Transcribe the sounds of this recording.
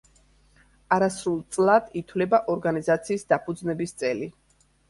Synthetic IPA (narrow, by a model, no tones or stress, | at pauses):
aɾasɾulˠt̪sʼlˠad̪̥it̪ʰwlɛbaʔɔɾɡanizat̪sʰiːsd̪apʰud̪znɛbist̪sʼɛli